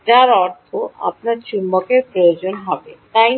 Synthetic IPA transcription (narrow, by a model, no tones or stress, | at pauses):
d͡ʑaɾɔɾt̪ʰoʔa̰p̚naɾt͡ɕumːokeɾpɾojod͡ʑonɦɔbet̪aj